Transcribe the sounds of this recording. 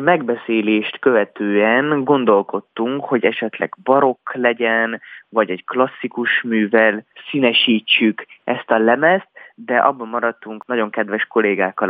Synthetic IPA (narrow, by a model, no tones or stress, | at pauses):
mɛɡbɛseːleːʃt̪kø̞vɛt̪øːɛnɡo̞nd̪o̞lko̞t̪ːuŋkho̞ɟɛʃɛt̪lɛ̰ɡbɒɾo̞klɛɟɛnvɒɟɛɟklɒsːikuʃmyːvɛlsiːnɛʃiːt͡ʃːykʔɛst̪ɒlɛmɛst̪d̪ɛʔɒ̰bːommːɒɾɒt̪ːuŋknɒɟo̞ŋkɛd̪ʋɛʃko̞leːɡaːkːɒ